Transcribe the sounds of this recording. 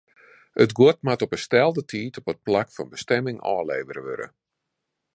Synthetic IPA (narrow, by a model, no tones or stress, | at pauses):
ətɡwot̚matɔpəstɛlˠdətʰiːtʰopət̚plakfɔnbəstɛmɪŋɔ̰ːlḛːvəɾəʋø̰ɾə̰